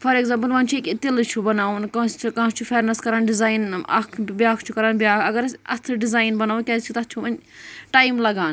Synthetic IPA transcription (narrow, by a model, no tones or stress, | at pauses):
fʰɐɾeɡzãːmp̬əlʋɐnt͡ʃʰuekt̪ilt͡ʃʰubɐnaːʋnkɐ̃st͡ʃʰukɐ̃ːst͡ʃʰufʰeːɾnɐskɐɾaːnɖɪzaːjna̰kʰbaːkʰt͡ʃʰukɐɾaːnbjaːkʰɐɡɐɾɐ̰st̪ʰɐɖizaːjnbɐnaːʋukʲaːt͡ʃʰut̪ɐt̪t͡ʃʰuʋɐnʈaːjmlɐɡaːn